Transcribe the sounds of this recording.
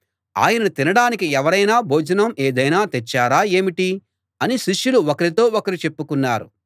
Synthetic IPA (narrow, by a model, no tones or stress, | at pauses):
a̰ːjɐnɐut̪inɐɽaːnikiɛʋɐɾɐjnaːbʱoːd͡ʒɐnɐmeːd̪ɐjnaːt̪ɛt͡ʃːaːɾaːe̞ːmiʈi | ɐniʃiʂjuluɔkɐɾit̪o̞ːokɐɾit͡ʃe̞pːukunːaːɾṵ